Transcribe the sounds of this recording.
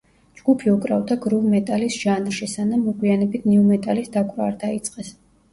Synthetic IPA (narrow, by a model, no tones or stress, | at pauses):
d͡ʒɡupʰiɔkʼɾavd̪aɡɾuvmɛt̪ʼalisʒ̥anɾʃisanamːɔɡʼwianɛbit̪ʰniumɛt̪ʼalisd̪akʼɾɔaɾd̪ait̪sʼqʼɛs